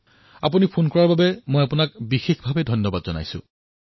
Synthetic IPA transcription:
a̰p̬unipʰonkɔɹaɹbabɛmojapʊnakbixexbʱabɛdʱɔjnːɔbadzɔna̰jsʊ̰̃

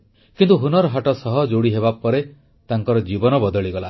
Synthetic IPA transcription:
kint̪uɦunɔɾɔɦaʈɔsɔɦɔd͡ʒoɽiɦeβapɔɾe | t̪aŋkɔɾɔd͡ʒibɔnɔbɔd̪ɔɭiɡɔla

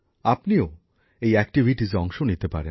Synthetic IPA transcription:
apnio | ejɛk̚ʈibʱiʈizɔŋʃonit̪epa̰ɾe

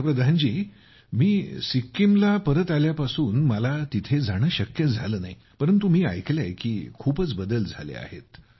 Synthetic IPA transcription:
pɾəd̪ʱand͡ʑiː | miːsikːimlapəɾət̪aljapasuːnməlat̪it̪ʰed͡zaɽ̃əːɕəkjət̪d͡zʱaləːnai | pəɾənt̪umiːa̰jklajkiːkʰuːpət͡sbəd̪əld͡zʱa̰lḛa̰hḛt̪

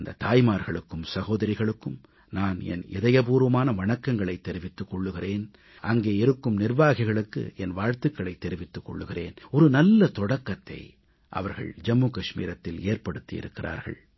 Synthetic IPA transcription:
nd̪ɐt̪aːjmaːɾɣɐɭɯkːɯmsɐɣoːðɐɾɪɣɐɭɯkːɯm | naːnɛ̰nɪ̰ðɐjɐp̬uːɾʋɐmaːnɐʋɐɳɐkːɐŋɡɐɭɐɪt̪ːɛɾɪʋɪt̪ːɯkːɔɭːɯɣɪreːn | ʔɐŋɡeːɪɾɯkːɯmnɪrʋaːɣɪɣɐɭɯkːɯ̰ʔɛnʋaːɻt̪ɯkːɐɭɐɪt̪ːɛɾɪʋɪt̪ːɯkːɔ̰ɭːɯɣɪreːnɔɾɯnɐlːɐt̪ɔɽɐkːɐt̪ːɐ̰ɪ | ʔɐ̰ʋɐɾɣɐ̰ɭd͡ʒɐmːuːkɐʂmḭːɾɐt̪ːɪleːrpɐɽɯt̪ːijɪ̰ɾɯkːɪɾʔa̰ːɾɣɐ̰ɭ

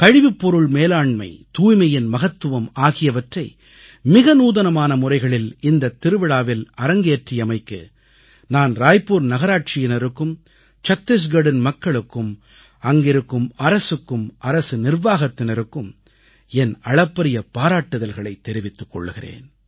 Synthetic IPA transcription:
kɐɻɪʋɪpːɔɾɯɭmeːlaːɳmɐ̰ɪt̪uːjmɐjɪnmɐɣɐt̪ːɯʋɐmaːɣɪjɐʋɐʈrɐɪ | mɪɣɐnuːðɐnɐmaːnɐmʊrɐɪɣɐɭɪlɪnd̪ɐt̪ːɪɾɯʋɪɽaːʋɪlɐɾɐŋɡeːʈrɪjɐmɐɪkːɯ̰ | naːnɾaːjpuːɾnɐɣɐɾaːʈ̚t͡ʃɪjɪnɐɾɯkːɯm | t͡ʃɐt̪ːɪs̬ɡɐɽɪnmɐkːɐɭɯkːɯm | ɐŋɡɪɾɯkːɯmɐɾɐsɯkːɯmʔɐɾɐsɯnɪrʋaːɣɐt̪ːɪnɐɾɯkːɯm | ɛnɐɭɐpːɐɾɪjɐpːaːɾaːʈːɯðɐlɣɐɭɐɪt̪ːɛɾɪʋɪt̪ːɯkːɔ̰ɭːɯɣɪrḛːn

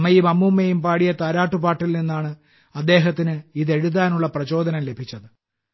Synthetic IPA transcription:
mɐjimɐmːumːejumpaːɽijɐt̪aːɾaːʈːupaːʈːilninːaːɳɨ | ɐd̪ːe̞ːɦɐt̪̬ːinɨiðe̞ɻuðaːnuɭːɐprɐt͡ɕo̞ːd̪ʱɐnɐmle̞bʱit͡ɕːɐðɨ

